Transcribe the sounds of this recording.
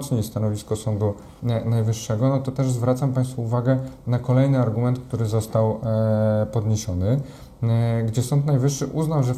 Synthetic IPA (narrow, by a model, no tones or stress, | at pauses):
t̪sɲest̪anɔvʲiskɔsɔnd̪u | najvɘʂːɛɡɔnɔt̪ɔt̪ɛʐzvɾat̪sampaj̃st̪fuuvaɡɛnakɔlɛjnɘaɾɡumɛnt̪̚k̚t̪uɾɘzɔst̪aw | pɔd̪ɲeɕɔnɘ | ɡd͡ʑɛsɔnt̪najvɘʂːɘʔuznawʐɛ